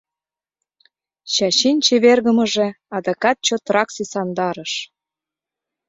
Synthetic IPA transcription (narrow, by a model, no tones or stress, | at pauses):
ɕɑɕinʲt͡ɕeβerɣə̆mə̆ʒĕ | ɑd̪ɑkɑt̪̚t͡ɕot̪rɑksisɑnd̪ɑɾəʃ